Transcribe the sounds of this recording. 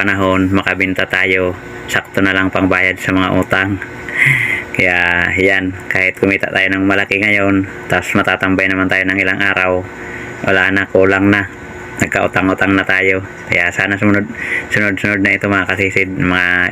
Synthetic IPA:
anaɦonmɐkabint̪at̪aːjo̞ | sak̚t̪onalaŋpaŋbaːjad̪sɐmɐŋaʔut̪aŋ | kɐjaʔɦɪjankaːhɪt̪̚kʊmiːt̪a̰ʔt̪aːjonaŋmɐlakiŋɐjon | t̪asmɐt̪at̪ambajnɐmant̪aːjonaŋʔɪlaŋʔaːɾaw | ʔɐ̰laʔanakulaŋna | nɐɡ̚kaʔʊ̰t̪aŋʊt̪aŋnat̪aːjo | kɐ̰jaʔsaːnasʊmnod̪̚sʊnod̪̚sʊnod̪̚naɪt̪omɐŋakasiːsɪd̪̚mɐŋa

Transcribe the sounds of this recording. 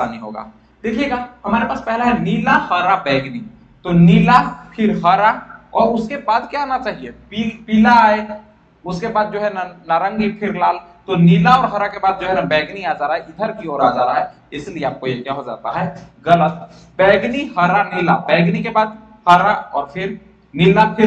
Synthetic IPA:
sa̰nĩɦo̰ːɡa̰ː | d̪̥eːkʰijeɡaːɦɐmaːɾepaːspɛɦlaɦɛniːlahɐɾabɛːɡni | t̪onilapʰɪɾɦɐɾaɔːɾʊskebaːd̪kjaaːnat͡ʃaːɦiepːpilaːe | ʊskebaːd̪̚d͡ʒoːɦɛnanaɾə̃ŋɡipʰɪɾlaːl | t̪oniːlaɔːɾɦɐɾakebaːd̪̚d͡ʒoːɦɛnabɛːɡniaːd͡ʒaːɾaɦɛɪd̪ʱəɾkioːɾaːd͡ʒaːɾaɦɛ | ɪslieaːp̚kojekjaɦod͡ʒa̰ːt̪aɦɛːɡɐlət̪ | bɛːɡniɦɐɾanɪlabɛːɡnikebaːd̪ | hɐɾaɔːɾpʰɪɾ | nɪlapʰɪɾ

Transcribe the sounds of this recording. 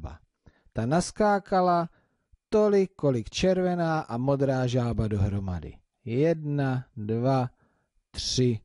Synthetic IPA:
ba̰ | t̪anaskaːkʰala | t̪o̞lɪkːo̞lɪkt͡ʃɛɾvɛnaːʔamo̞d̪ɾaːʒaːbado̞ɦɾoma̰dɪ̰ | jɛdnadva | t̪r̥ɪ

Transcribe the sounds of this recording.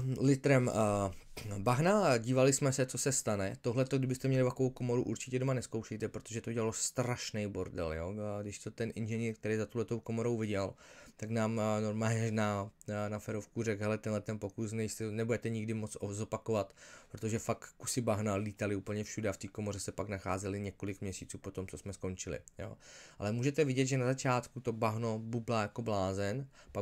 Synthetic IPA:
lɪt̪ɾɛm | baɦnaɟiːvalɪsmɛsɛt͡sosɛst̪anɛt̪oɦlɛt̪oɡdɪbɪst̪ɛmɲɛlɪvakoowko̞mo̞ɾuʔuɾt͡ʃɪ̥cɛdo̞manɛskowʃɛjt̪ɛpɾot̪oʒɛt̪oɟɛlalost̪ɾaʃnɛjboɾdɛ̰ljo̰ɡdɪʃt̪ot̪ɛnʔɪnʒɛniːɾk̚t̪ɛɾejzat̪ohlɛt̪o̞wkomo̞ɾo̞wvɪɟɛlt̪aknaːmnoɾmaːɲɛʒnanafɛɾofkurɛɡɦɛlɛt̪ɛnɦlɛt̪ɛnpo̞kus̬nɛjst̪ɛnɛbudɛt̪ɛɲɪɡdɪmot͡sozopakovat̪pɾot̪oʒɛfakːu̥sɪbaɦnaliːt̪alɪuːpl̩ɲɛfʃudɛaft̪iːko̞mo̞r̝ɛsɛpaknaxaːzɛlɪɲɛko̞lɪkmɲɛsiːt͡suːpo̞t̪o̞mt͡sosmɛsko̞nt͡ʃɪlɪ̰jo̰ːʔa̰lɛmuːʒɛt̪ɛvɪɟɛd̪ʒɛnazat͡ʃaːt̪kut̪o̞baɦno̞bublajako̞blaːzɛnpa

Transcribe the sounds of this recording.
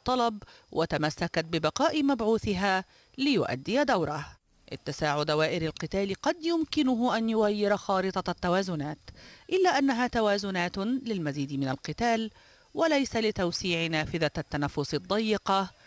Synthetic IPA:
t̪ˤːɑlɑbwʔat̪amasːakat̪̚bɪbɑqɑːʔimabʕuːθɪɦaː | lɪjʊʔa̰d̪ːɪjad̪awɾˤɑ | ʔɪ̰t̪ːasaːʕʊd̪awaːʔɪɾalqɨt̪aːlqɑd̪jʊmkɪnʊɦʊʔanjʊɣajːɪɾxɑːɾɨt̪ˤɑt̪ːawaːzʊnaːt̪ʔɪlːaːʔanːaɦaːt̪awaːzʊnaːt̪lɪlmaziːd̪mɪnalqɨt̪aːl | walajsalɪt̪awsiːʕnaːfɪðat̪ːanafːʊsɨd̪ˤːɑjːɪqɑ

